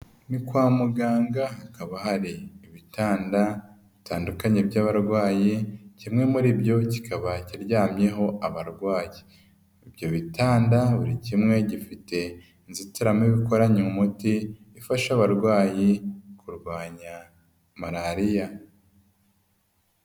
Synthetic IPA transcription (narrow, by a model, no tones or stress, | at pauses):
nikwaːmuɡaːŋɡahakaβahaɾiːβitaːnda | βitʰaːndukaɲebɟaːβaɾɡwaːjicimŋe̞muɾibjo̞ci̥kaβaciɾɟaːmje̞ɦo̞aβaɾɡwaːjiː | bjo̞βitaːndaβuɾicimŋe̞ɟifite̞ | nzitiɾamiβiko̞ɾaɲemumutiː | faʃaβaɾɡwaːjikuɾɡwaːɲa | maɾaɾija